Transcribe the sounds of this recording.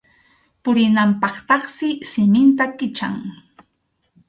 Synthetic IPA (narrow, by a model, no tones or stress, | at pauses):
pʊɾɪnampɑχt̪ɑχsɪsɪmɪnt̪akɪt͡ʃa̰ŋ